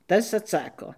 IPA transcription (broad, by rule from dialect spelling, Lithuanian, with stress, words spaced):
ˈtɐs ɐtˈsɑːkoː